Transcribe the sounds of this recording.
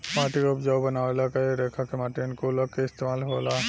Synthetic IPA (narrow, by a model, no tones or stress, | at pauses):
maʈikbd͡ʒawbənawelakaɾɛkʰakemaʈinkolɔkːeist̪emalɦɔla